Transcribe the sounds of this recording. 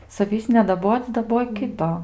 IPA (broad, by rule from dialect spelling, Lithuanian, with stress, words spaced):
sɐˈʋʲiːs nʲɛdɐˈboːt͡sʲ dɐˈboːj ˈkʲɪtoː